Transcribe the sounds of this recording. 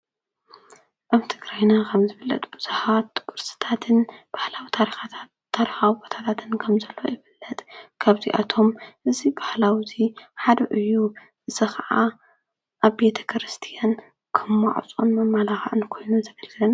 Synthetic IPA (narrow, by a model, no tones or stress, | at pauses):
ʔaβt̪ʰɨɡɾajnakʰɐmzɨβɨlːɐ̰t̪ʼbɨz̥uhat̪kʼɨɾsɨ̥t̪ʰat̪ʰɨnb̥ahlawit̪ʰaɾixaː | aɾixawibot̪ʰat̪ʰat̪ʰɨnkʰɐmzɐlːo̞̰jɪfɨlːɐt̪ʼkʰaβziʔat̪ʰo̞mʔɨzibahlawziħad̪ɐʔɨjːu | ɨzɨxɐʕa | ʔaβbe̞t̪ʰɐ̥kʰɾɨst̪ʰijan | kʰɨmːaʕ̰t͡sʼonmɐmːalaxʔɨnkʰo̞jnuzɐɡɐlɡɨlɐn